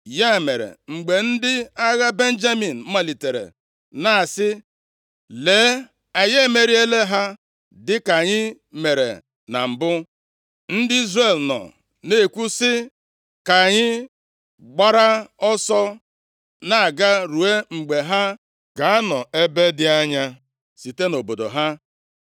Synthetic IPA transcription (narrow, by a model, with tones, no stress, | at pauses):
ja˦˨me˨ɾḛ˨ŋ͡m̩˨ɡ͡be˨n̩˦dɪ˦a˦ɣa˦be˦n̩˦d͡ʒa˦mi˨n̩˨˦ma˨li˨te˨ɾḛ˨ | na˨sɪ˦ | le˨˦ | a˨ɲe˦me˨ɾi˦e˦le˦ɦa˦ | dɪ˦ka˨ɲɪ˦ | me˨ɾḛ˨ | na̰˨m̩˨bʊ˦ | n̩˦dɪ˦i˦zre˨lnɔ̰˨ | ne˦˨kʷu˦sɪ˦ | ka˨ɲɪ˦ | ɡ͡ba˦ɾa˦ɔ˦sɔ˦ | na˨a˨ɡa˦ɾu˨e˦ŋ͡m̩˨ɡ͡be˨ɦa˦ | ka˨a˦nɔ˨e˦be˦dɪ˦a˦ɲa˦ | si˨te˦no˨bo˨do̰˨ɦa˦